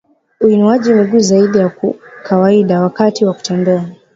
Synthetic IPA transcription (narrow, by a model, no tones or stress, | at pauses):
uinuaʄimiɡuːzaiɗijakṵkʰawaiɗawakatiwaku̥tandaa